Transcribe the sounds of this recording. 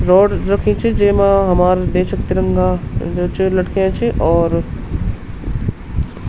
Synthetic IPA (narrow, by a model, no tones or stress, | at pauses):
ɾɔːɖɾɐkʰĩt͡ʃʰid͡ʒeːmãɦɐmaːɾd̪eːʃəkt̪iɾə̃ŋɡad͡ʒoːt͡ʃʰelɐʈkʰeãt͡ʃʰiʔɔːɾ